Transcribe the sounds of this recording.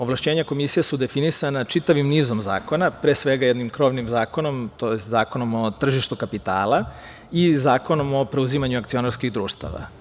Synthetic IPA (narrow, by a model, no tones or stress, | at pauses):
oʋlˠaʃt͡ɕe̞ːɲako̞misijesud̪e̞finisanat͡ʃit̪aʋimniːzo̞mza̰ːko̞napɾeːsʋe̞ɡajed̪nimkɾo̞ʋnimzaːko̞no̞mt̪ojest̪zaːko̞no̞mo̞t̪r̩ʒiʃt̪ukapit̪a̰ːla | izaːko̞no̞mo̞pɾe̞uzimaɲuakt̪sio̞naɾskiɣd̪ɾuːʃt̪a̰ʋa̰